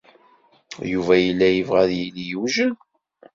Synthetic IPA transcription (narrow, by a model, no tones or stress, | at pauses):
juvæjəlːæjəvʁæðjilijuʒən